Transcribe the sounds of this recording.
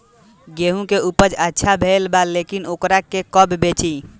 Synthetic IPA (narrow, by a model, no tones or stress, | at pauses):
ɡeɦũkeupəd͡ʒətːʃʰabʱelbalekinokɾakekəbbet͡ʃi